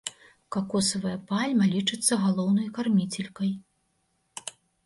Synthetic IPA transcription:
kakɔsɐvɐjɐpalʲmɐlʲit͡ʂɨt̪sːɐɣalˠɔwnɐjkarmʲit͡sʲelʲkɐj

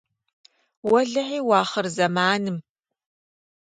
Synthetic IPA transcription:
wɐɮɐħiːwɑːχərzɐmaːnɨm

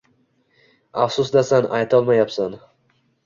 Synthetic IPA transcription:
afsʊsd̪asanajt̪ʰɒlˠmajapsan

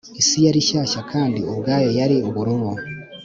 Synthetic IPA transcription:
isijaɾiʃaːʃakʰaːndioβɡaːjo̞jaɾioβuɾuβo

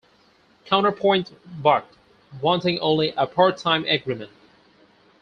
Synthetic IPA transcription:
kʰãʊ̃ñtə˞pʰɔ̃ɪ̃ntbɑɹk̚t̚ | wɑ̃ntɪ̃ŋʔõʊ̃nliʔəpʰɑɹtʰãɪ̃mɛɡɹimɨ̃nt̚

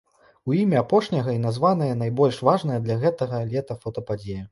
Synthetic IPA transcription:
uimʲɛapɔʂnʲɐɣɐin̪azvanɐjɐn̪ajbɔlʲʂvaʐn̪ɐjɐd̪lʲɐɣɛt̪ɐɣɐlʲɛt̪ɐfɐt̪ɐpad͡zʲejɐ

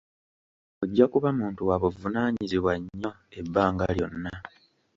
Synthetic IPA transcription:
oɟːakuβamuːntuwaβuvunaːɲiziβwaɲːo̞ | ebːaːŋɡa̰ljo̞nːa

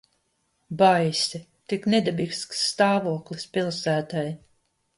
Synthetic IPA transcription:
bajsʲit̪iknɛd̪ɛbiksksːt̪aːvuɔklispʲilˠsæːt̪aj

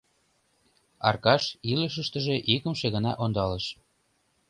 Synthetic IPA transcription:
ɑ̰rkɑʃiləʃ̬əʃt̪ə̆ʒeʔikə̆mʃeɣənɑ̰ʔond̪ɑləʃ

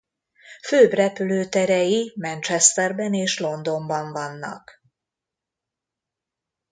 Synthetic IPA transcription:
føːbrɛpyløːt̪ɛɾɛjimɛnt͡ʃɛst̪ɛrbɛneːʃlo̞nd̪o̞mbɒɱvɒnːɒ̰k

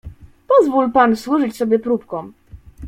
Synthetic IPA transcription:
pɔzvulpanswuʐɘt͡ɕsɔbʲjɛpɾupkɔm

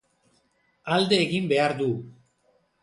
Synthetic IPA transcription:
ald̪eːɣimbeaɾd̪u

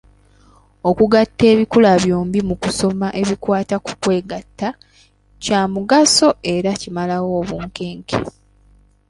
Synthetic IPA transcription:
o̞kuɡatːe̞ːβikulaβjo̞ːmbimukuso̞maʔe̞βikwaːtaku̥kwe̞ːɡatːa | caːmuɡaso̞e̞ɾacimalawo̞ːβuːŋke̞ːŋkḛ

